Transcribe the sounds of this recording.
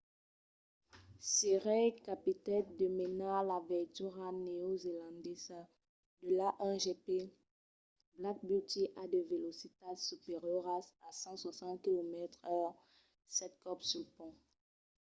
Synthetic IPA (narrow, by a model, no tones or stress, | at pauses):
siʁɛjkapit̪ɛnd̪əmenalavɛt̪yʁaneozelɑ̃d̪ɛsa | d̪əlaʔɛʒepe | blak̚byt̪iʔad̪əvelosit̪asypeʁjøʁasasɑ̃swasɑ̃t̪̚kilomɛt̪χœʁ | sɛt̪̚kɔpsylpɔ̃